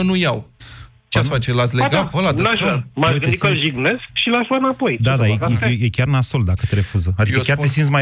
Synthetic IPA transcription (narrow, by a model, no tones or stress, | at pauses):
ənujaw | t͡ʃeat̪fat͡ʃelat̪sʲleɡavəlad̪amaoj̪eikəʒiɡneskʃilaʃuanapo̞jd̪ad̪ajeejekʲarnast̪old̪akət̪eɾe̞fuzəad̪ikəkʲaresint̪s̬ma